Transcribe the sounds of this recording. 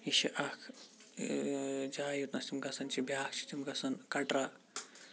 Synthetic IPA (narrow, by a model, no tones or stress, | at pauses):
iʃiʔɐkʰ | d͡ʒaːjut̪nɐsimɡɐsɐnt͡ʃibjaːkt͡ʃʰi̥t̪ʰimɡɐsɐnkɐʈɾa